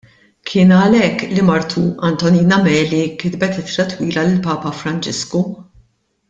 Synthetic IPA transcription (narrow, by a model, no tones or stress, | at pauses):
kʰɪːnɐlɛkːlimɐɾt̪ʰuɐnt̪ɔniːnɐmɛːlikɪd̪bɛt̪ɪt̪ɾɐt̪wiːlɐlɪlpɐːpɐfɾɐnt͡ʃɪsku